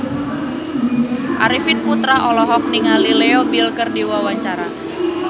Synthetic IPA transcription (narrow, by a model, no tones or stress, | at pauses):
ʔa̰ɾifɪnput̪ɾaɔlɔɦɔk̚niŋalileobilkərdiwawaɲt͡ʃaɾa